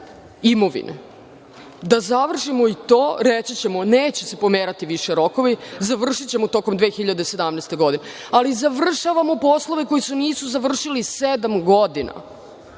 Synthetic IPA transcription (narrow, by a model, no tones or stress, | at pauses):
imo̞ʋḭnʔḛ | d̪azaʋr̩ʃimoit̪o̞ːɾet͡ɕit͡ɕemoneːt͡ɕese̞po̞meːɾat̪iʋiʃe̞ɾo̞ko̞ʋizaʋr̩ʃit͡ɕe̞mot̪o̞komd̪ʋe̞ːxiʎad̪ese̞d̪amnest̪e̞ɡo̞d̪ine | alizaʋr̩ʃaʋamo̞po̞slo̞ʋe̞ko̞jisuniːsuzaʋr̩ʃilised̪amɡod̪ina̰